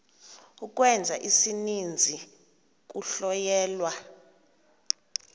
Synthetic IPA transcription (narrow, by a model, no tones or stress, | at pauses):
uk̬ʼwɛnd͡zʱaʔisinind͡zʱi | k̬ʼuɬɔjɛːlwa